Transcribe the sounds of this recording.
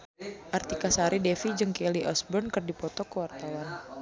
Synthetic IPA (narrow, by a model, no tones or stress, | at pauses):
ʔart̪ikasaɾidɛfid͡ʒɨŋkɛliʔɔsbɔnkɨrdipɔt̪ɔkəwart̪awan